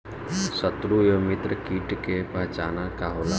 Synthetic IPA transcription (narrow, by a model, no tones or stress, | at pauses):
sət̪ɾujomɪt̪ɾəkiːʈkepəɦt͡ʃaːnakaɦola